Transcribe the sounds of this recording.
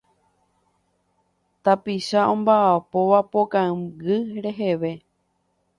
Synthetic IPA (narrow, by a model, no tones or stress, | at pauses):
t̪apiʃaõ̞mbaːpo̞ʋapokãɡɨɾe̞ɦe̞ʋe̞